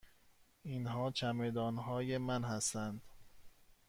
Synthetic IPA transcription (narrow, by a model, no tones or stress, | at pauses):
inɦɒːt͡ʃʰæmed̪ɒːnɦɒːjemænɦæst̪ænd̪̥